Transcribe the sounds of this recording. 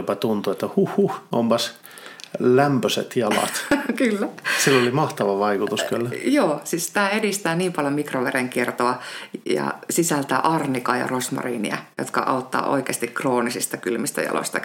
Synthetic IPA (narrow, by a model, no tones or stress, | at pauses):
opɑt̪unt̪uet̪ːæhuhːuhompɑs | læmpøsḛt̪jɑlɑ̰t̪kylːæsilːolimɑht̪ɑʋɑʋɑikut̪uskylːjoːsiːssi̥t̪æːedist̪æːniːmpɑljomikroʋereŋkiert̪oɑjɑ̰sisælt̪æːʔɑrnikɑːjɑ̰rosmɑ̰rḭːnḭɑjo̰t̪kɑ̰ʔɑut̪ːɑ̰ːʔo̰ikeːst̪ikkroːnisist̪ɑkylmist̪æ̰jɑ̰lo̰isʲt̪ɑ